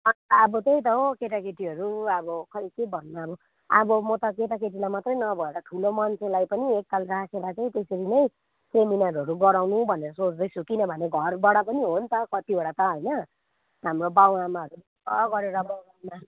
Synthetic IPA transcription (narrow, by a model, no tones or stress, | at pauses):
ʌabʌt̪ej̃t̪ʌɦokeʈ̬akeʈiɦʌɾuʌbʌkʌikebʱʌnːaːbʌ | a̰bʌmʌt̪ʌkeʈakeʈ̬ilajmat̪rʌjnʌbʱʌeɾʌʈʰulomʌnt͡sʰelajpʌniekkalrakʰeɾat͡saĩt̪eseɾinʌj̃ | seminʌɾʌɾuɡʌɾawnubʱʌneɾʌsot͡sd̪ʌjt͡sʰukinʌbʱʌneɡʱʌrbʌɽʌpʌniɦont̪ʰʌkʌt̪iboɽat̪ʌɦʌjnʌ | ɦamrobawamaʌɾu | ʌɡʌɾeɾʌbawamːa